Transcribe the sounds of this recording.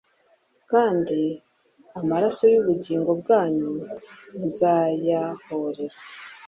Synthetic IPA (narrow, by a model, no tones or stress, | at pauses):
kaːndi | amaɾaso̞juβuɟiːŋɡo̞b̚ɡaːɲunzajaho̞ɾe̞ɾa